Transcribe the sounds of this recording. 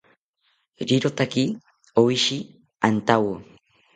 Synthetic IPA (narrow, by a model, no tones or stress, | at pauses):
ɾiɾot̪aki | owiʃi | ant̪awo